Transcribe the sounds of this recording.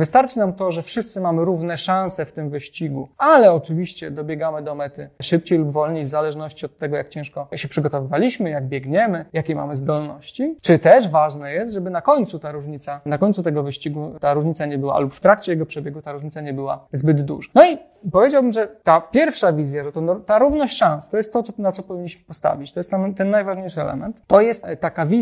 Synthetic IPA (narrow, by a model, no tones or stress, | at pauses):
vɘst̪aɾt͡ʂɘnamt̪ɔʐɛfʂɘst̪sɘmamɘɾuvnɛʂãnsɛft̪ɘmvɘɕt͡ɕiɡualɛɔt͡ʂɘvʲiɕt͡ɕɛd̪ɔbʲjɛɡamɘd̪ɔmɛt̪ɘʂɘp̚t͡ɕejlubvɔlɲejvzalɛʐnɔɕt͡ɕiɔt̪ːɛɡɔjak̚t͡ɕɛ̃w̃ʂkɔɕɛpʂɘɡɔt̪ɔvɘvalʲiɕmɘjaɡ̚bʲjɛɡɲɛmɘjakʲejma̰mɘzd̪ɔlnɔɕt͡ɕit͡ʂɘt̪ɛʂvaʐnɛjɛst̪ʐɛbɘnakɔɲt̪sut̪aɾuʐɲit̪sanakɔɲʲt̪sut̪ɛɡɔvɘɕt͡ɕiɡut̪aɾuʐɲit̪saɲɛbɘwa̰lupft̪ɾakt͡ɕɛjɛɡɔpʂɛbʲjɛɡut̪aɾuʐɲit̪saɲɛbɘwa̰zbɘd̪d̪ṵʐanɔi | pɔvʲed͡ʑawbɘmʐɛt̪apʲjɛɾfʂavʲizʲjaʐɛt̪ɔnɔt̪aɾuvnɔɕt͡ɕʂãnst̪ɔjɛst̪ːɔt̪ɔnat̪sɔpɔvʲiɲːiɕmɘ̥pɔst̪a̰vʲit͡ɕt̪ɔjɛst̪ɛnt̪ɛnːajvaʐɲejʂɨɛlɛ̰mɛnt̪ːɔjɛst̪t̪ːakavʲi